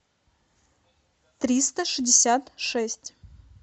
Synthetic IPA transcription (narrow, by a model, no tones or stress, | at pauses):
t̪ɾʲist̪əʂɨzʲdʲɪsʲat̪ʂɛsʲtʲ